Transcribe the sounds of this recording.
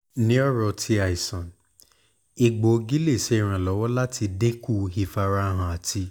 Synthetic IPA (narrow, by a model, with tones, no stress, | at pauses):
nĩ˦ɔ˦ɾɔ˧tʰi˧˦a˨i˨sɔ̃˨n | i˨ɡ͡bo˨˧ɡi˦le˦˨ʃe˨˧i˨ɾ̃ã˨lɔ˨˦wɔ˦la˦tʰi˧de˦ku˦˧hi˧˨fa˧ɾa˧ɦã˨a˨tʰi˧